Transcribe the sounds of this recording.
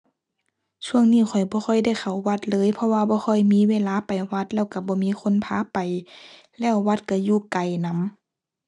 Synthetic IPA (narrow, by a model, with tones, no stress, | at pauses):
t͡ɕʰu˧əŋniː˧˩˨xʰɔ˨˩jbɔː˧˦xɔ˧˩jda˧˥˨jxa˨˩wːa˧˩t̪̚lɤː˧˥˨jpʰɔ˧waː˧bɔː˧˦xʰɔ˧˥˩jmiː˧˥˨weː˧˨laː˧˥˨pa˨˩jwa˧t̪̚lɛː˧˩˨wka˧˩bɔː˧˦miː˧˥˨xʰo˧˥˨npʰaː˧˥pa˨j | lɛː˧˩˨wːa˧˩t̪̚ka˧˩juː˧˩ka˨˩jna˧˥˨m